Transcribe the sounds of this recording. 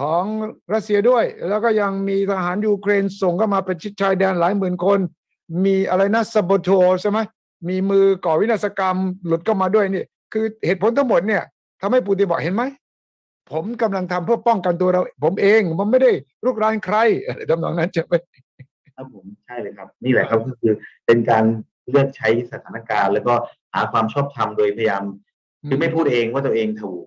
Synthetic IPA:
kʰɔː˨˦ŋɾa˦˥t̪̚si˧ɐdu˥˩əjlɛː˦˥wkɔː˥˩ja˧ŋmiː˧t̪ʰa˧ɦaː˩˦njuː˧kʰɾeː˧nso˨˩ŋkʰa˥˩wmaː˧pa˧nt͡ɕʰi˦˥t̪̚t͡ɕʰaː˧jdɛː˧nlaː˨˩˦jmɯː˨˩nkʰo˧n | miː˧ʔa̰˧ɾa˧jna˦˥sa˧boː˧t̪ʰoː˧t͡ɕʰa˥˩ma˦˥j | miː˧mɯː˧kɔː˨˩wi˦˥t̪ʰaː˥˩sa˧ka˧mlu˨˩t̪̚kʰa˥˩wmaː˧du˥˩əjni˥˩ | kʰɯː˧heː˨˩t̪̚pʰo˨˦nt̪ʰa˥ŋmo˨˩t̪̚ni˥˩ɐ | t̪ʰa˧mha˥˩jp̬uː˧t̪̬i˧nbɔ̰ː˨˩ɦe˨˦nma˦˥j | pʰo˩˦mka˧mla˧ŋt̪ʰa˧mpʰɯ˥˩ɐpɔ˥˩ŋka˧nt̪̬u˧ɐ˧ɾa˧wpʰo˩˦mʔeː˧ŋmʰa˧˦mːa˥˩jda˥˩j | ɾuː˥˩k̚ɾaː˦˥nkʰɾa˧˥˩jʔa˧˩a˧˩t̪ʰa˧mnɔ̰ː˨˦ŋna˦˥nt͡ɕa˨˩ma˥˩j | a˦˥pʰo˨˩˦mt͡ɕʰa˥˩jlɤː˧˩jkʰa˦˥p̚niː˥˩lɛ̰˨˩kʰa˦˥p̚kɔː˥˩kʰɯː˧pe˧nkaː˧n | lɯ˥˩ək̚t͡ɕʰa˦˥jsa˧t̪ʰaː˩˦na˧˩kaː˧nlɛː˦˥wkɔː˥˩ha̰ː˩˦kʰwaː˧mt͡ɕʰɔː˥˩p̚t̪ʰa˧mdoː˧jpʰa˧ja˧jaː˧m | kɯ˧˦ma˥˩jpʰuː˥˩t̪̚ʔeː˧ŋwaː˥˩t̪u˧ʔeː˧ŋt̪ʰa˧wuː˨˩

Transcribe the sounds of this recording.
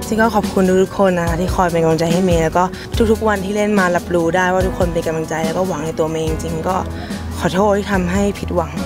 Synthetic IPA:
t͡ɕi˧ŋkɔː˥˩kʰɔː˨˩p̚kʰu˧nt̪ʰuː˥˩t̪ʰu˦˥kʰːo˧nːa˧kʰa˦˥t̪ʰiː˥˩xʰɔː˧jpa˧nka˧mla˧ŋt͡ɕa˧jha˥˩jmiː˧lɛː˦˥wkɔː˥˩ | t̪ʰu˦˥t̪ʰu˦˥k̚wa˧nt̪ʰiː˥˩le˥˩nmaː˧la˨˦˥p̚ɾuː˧daː˥˩jwaː˥˩t̪ʰu˦˥k̚ʰːo˧npe˧ka˧mla˧ŋt͡ɕa˧jlɛː˦˥wkɔː˥˩wa˨˩˦ŋna˧jt̪u˧ɐme˧ʔi˧ŋt͡ɕi˧ŋkɔː˥˩ | kʰɔː˨˩˦t̪ʰoː˥˩t̚ha˥˩t̪ʰa˧mɦa˥˩jpʰi˦˥t̪̚wa˩˦ŋ

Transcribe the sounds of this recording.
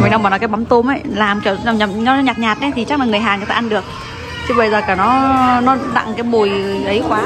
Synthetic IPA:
m˨˩jɗa˧wmaː˨˩nɔ˨˦kaː˨˦jɓa˨˦ŋ͡mt̪o˧mʔə˨˦jlaː˨˩mt͡ɕəː˧˩a˨˩ɲa˨˩ɲɔ˨˦ɲaː˨˩t̚ɲaː˨˩t̚ʔa˨˦t̪ʰi˨˩t͡ɕa˦˥k̚maː˨˩ŋ˨˩əjɦaː˨˩ŋə˨˦faː˧˩ʔnɗɨ˨˩ək̚ | t͡ɕʰɨ˨˧˦ɓə˧jzəː˨˩kaː˧˩nɔ˨˦nɔ˨˦ɗa̰˧˨ŋkaː˨˦jɓo˨˩jʔə˨˦jxwaː˨˦

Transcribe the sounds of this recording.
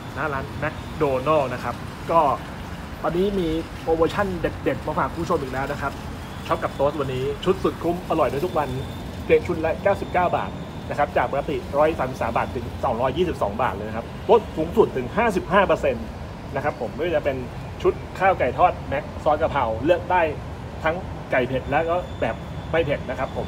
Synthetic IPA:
naː˦˥laː˦˥nmɛ˦˥k̚doː˧nɔː˥˩na˦˥kʰa˦˥p̚ | kɔː˥˩ | wa˧nːiː˦˥miː˧ | ʔoː˧bɤː˧t͡ɕʰa˥˩nde˨˩t̪̚de˨˩t̪̚mɔː˧˩faː˨˩kʰuː˧˥˩pʰo˧mʔiː˨˩lɛː˦˥wna˦˥kʰa˦˥p̚ | t͡ɕʰɔ˦˥p̚ka˨˩p̚t̪oː˦˥t̪̚wa˧nːiː˦˥t͡ɕʰu˦˥t̪̚su˨˩t̪̚kʰu˦˥˩mʔa˧lɔ˨˩jdu˥˨jt̪u˦˥k̚wa˧n | pʰi˧əŋt͡ɕʰu˦˥t̪̚lɛ˦˥kaː˥˩wsi˨˩p̚kaː˥˩wba̰ː˨˩t̪̚ | na˦˥kʰa˦˥p̚t͡ɕaː˨˩k̚paː˧ka˧t̪ḭ˨˩ɾɔː˦˥jsaː˨˦msi˨˩saː˩˦mbaː˨˩t̪ʰːɯ˨˩˦ŋsɔː˩˦ŋɾɔː˦˥jːiː˥˩si˨˩p̚sɔ̰ː˩˦ŋba̰ː˨˩lɤː˧jna˧kʰa˦˥p̚t̪oː˦˥t̪̚suː˨˦ŋsu˨˩t̪ʰːɯ˩˦ŋɦaː˥˩si˨˩p̚ɦaː˥˩pɤ˧se˧n | na˦˥kʰa˦˥pʰːo˩˦mpɯ˥˩˧t͡ɕa˨˩pe˧n | t͡ɕʰu˦˥t̪̚kʰaː˥˩wka˨˩jt̪ʰɔː˥˩t̪̚mɛ˦˥k̚sɔː˦˥ka˧pʰa˧˩wlɯ˥˩ək̚daː˥˩j | t̪ʰa˦˥ŋ | ka˨˩jpʰe˨˩t̪̚lɛ˦˥wkɔː˥˩bɛː˨˩p̚ | ma˥˩jpʰe˨˩t̪̚na˦˥kʰa˦˥pʰːo˩˦m

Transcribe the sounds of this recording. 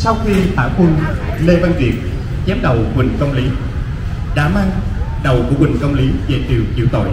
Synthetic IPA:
sa˧wxi˧t̪a̰ː˧˩wxwu˧nle˧va˧nvi˨˩ət̚ | zɛ˨˦mɗə˨˩wkwï˨˩ŋ̟kə˧wŋ͡mli˨˦ | ɗa̰ː˧˥maː˧ŋ | ɗə˨˩wkṵ˧˩əkwï˨˩ŋ̟kə˧wŋ͡mli˨˦vḛ˨˩t̪ḭ˨˩əwt͡ɕḭ˧˩əwt̪o̰˧˩˨j

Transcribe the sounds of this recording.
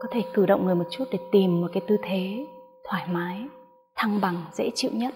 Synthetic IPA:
kɔ˨˦t̪ʰe˧˩kɨ˧˩ɗə̰˧˨wŋ͡mŋɨ˨˩əjmo˨˩t̚t͡ɕu˦˥t̚ɗe˧˩t̪i˨˩mːo˨˩kaː˨˦jt̪ɨ˧t̪ʰe˨˦t̪ʰwaː˧˩jmaː˨˦j | t̪ʰa˧ŋɓa˨˩ŋzḛ˧˥t͡ɕḭ˧˨wɲə˦˥t̚

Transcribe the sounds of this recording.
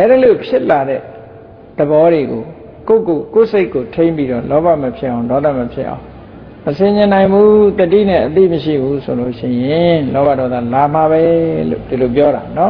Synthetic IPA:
ʔɛ˦ɾi˦˨lo˨pʰjɪ˦ʔla˨ɾɛ̰˦˨ | d̪̥əbɔ˦ɾe˨ɡo˨ | ko˦˨ko˨ko˦˨se˦ɪkːo˨tʰẽ˦ɪ̃mpi˦ɾɔ̰˦˨lɔ˦ba̰˦˨məpʰjɪ˦ʔã˨ʊ̃ndɔ˦d̪a̰˦˨məpʰjɪ̰˦ʔã̰˨ʊ̃ | məsɪ̃˨ɲɪ̃˨nã˨ɪ̃mbu˦t̪ətḭ˦˨nɛ̰̃˦˨ʔət̪ḭ˦˨məʃḭ˦˨bu˦sʰo˨lo˦˨ʃɪ̰̃˦˨jɪ̃˨lɔ˦βa˦˨dɔ˦d̪a̰˦˨la˨m̥a˨βɛ˦lo̰˦˨di˨lo˨p̬jɔ˦ɾa̰˨nɔ˦

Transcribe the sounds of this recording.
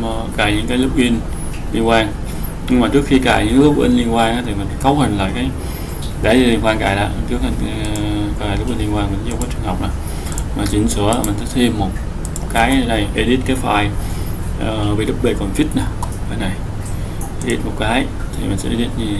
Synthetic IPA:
kaː˧˩ɲɨ̰˧˥ŋkaː˨˦lɨ˦˥k͡p̚li˧ənli˧ənkwaː˧ŋ | ɲɨ˧ŋmaː˨˩t͡ɕɨ˦˥əkxi˧kaː˧˩ɲɨ̰˧˥ŋ˦˥k̚ʔḭ˧nli˧ənkwaː˧ŋʔaː˨˦t̪ʰi˨˩mï˨˩ŋ̟ska˨˦w̚hə˨˩ŋla̰ː˨jkaː˨˦j | ɗaː˨˦li˧li˧nŋkwaː˧nkaː˧˩jla̰ː˧˨jt͡ɕɨ˦ək̚ha˧˨˩ka˧˩a˨˩lk͡p̚ʔi˧li˧ə˧nkwaː˧nm˨˩˧kɔ˨˦t͡ɕɨ˨˩əŋha˨˩wk͡p̚naː˨˩ | maː˨˩t͡ɕi˨˧˦ŋsɨ˧˩ə˨lːmi̟˨˩sɛ̰˧˥t̪ʰi˧mːo˨˩t̚ | kaː˨˦ja˨˧˩na˨˩jʔi˧ɗi˦˥t̚kaː˨˦jfaː˧˩j | ʔəː˨˩vi˨˩˦ɗɨ˦˥k͡p̚ɓe˨˩kɔ˨˩nfi˦˥t̚na˨˩ʔəː˨˧˩na˨˩j | ʔi˧ɗi˦˥t̚mo˨˩t̚kaː˨˦j | t̪ʰi˨˩mi̟˨˩sɛ̰˧˥ʔi˧ɗi˦˥t̚ɲi˧˨˩

